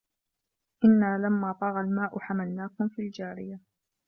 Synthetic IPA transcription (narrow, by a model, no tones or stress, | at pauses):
ʔɪnːaːlamːaːt̪ˤɑːɣɑlmaːʔʊħamalnaːkʊmfiːld͡ʒaːɾɪja